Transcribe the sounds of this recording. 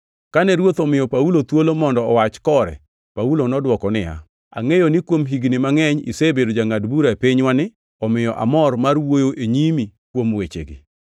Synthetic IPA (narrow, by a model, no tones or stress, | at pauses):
kanɛɾwot̪ɔmɪjɔpaulot̪wolomɔndɔɔwat͡ʃkɔɾɛ̰ | paulonɔdwɔkɔnɪja̰ | a̰ŋejonɪkwomɦiɡnɪmaŋɛɲḭsebedod͡ʒaŋadbuɾaepɪɲwanɪ | ɔmɪjɔʔa̰mɔrmarwojoʔeɲimikwomwet͡ʃḛɡɪ̰